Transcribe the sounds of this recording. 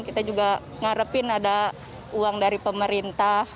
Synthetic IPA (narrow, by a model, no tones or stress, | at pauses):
kit̪ad͡ʒuɡa | ŋaɾəpɪnada | uaŋdaɾipəməɾint̪ah